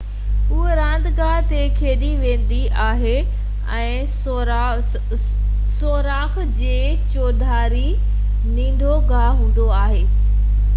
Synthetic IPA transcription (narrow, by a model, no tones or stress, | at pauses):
ʊɦeɾãːnd̪ʱɡaːɦt̪ekʰeːɗiʋẽːn̆d̪i | aːɦe | ɛ̃ː | soːɾaːx | d͡ʑeː | t͡ɕoːd̪ʱaːɾi | nĩːɳɖʱoɡaːɦɦũːn̆d̪oaːɦeː